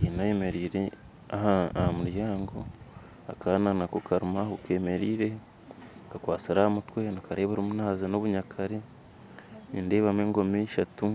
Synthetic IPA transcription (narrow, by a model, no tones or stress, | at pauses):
inajeme̞ɾiːɾe | ahaahamuɾjaːŋɡo̞ | akʰananakokaɾumahukwe̞ːme̞ɾiːɾe̞ | kakwaːt͡siɾahamutwe̞nikaɾeːβaɾomunaːzano̞βuɲakʰaɾe | nḭnde̞ːβameːŋɡo̞miʃatu